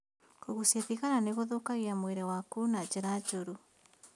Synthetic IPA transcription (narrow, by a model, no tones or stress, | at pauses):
koɣusieðiɣaɾaneɣoðokaɣiamweɾɛwakunad͡ʒeɾad͡ʒoɾu